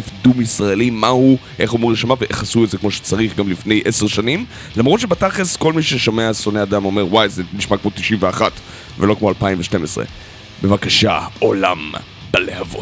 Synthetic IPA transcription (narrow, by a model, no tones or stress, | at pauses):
fdumisʁaelimahuʔe̞χhumuʁeʃamaveʔeχasuetzekmo̞ʃe̥t͡saʁiχɡamlifne̞jʔeseʁʃanim | lamʁot̪ʃebataχesko̞lmiʃeʃomeasoneadamo̞me̞ʁwajzeniʃmakmo̞t̪iʃimveaχat | velo̞kmoalpaimveʃte̞mesʁḛ | be̞vakaʃa̰ola̰m | b̥alehavot